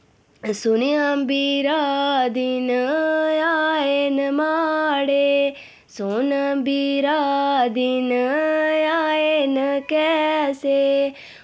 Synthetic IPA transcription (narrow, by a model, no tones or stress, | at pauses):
suniambiɾaːd̪inəjaenəmaːɽe | sonəmbiɾaːd̪inəjaːenəkɛːse